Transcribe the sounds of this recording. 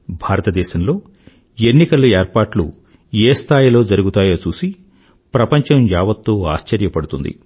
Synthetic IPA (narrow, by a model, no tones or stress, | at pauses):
bʱaːɾɐt̪ɐd̪ɛːʃɐmlo̞ː | e̞nːikɐlueːɾpaːʈlṵ | eːst̪ʰaːjilo̞ːd͡ʒɐɾuɡut̪aːjɐːt͡ʃuːsi | pɾɐpɐɲt͡ʃɐmjaːʋɐt̪ːoːa̰ːʃt͡ʃɐɾjɐpɐɽut̪und̪ḭ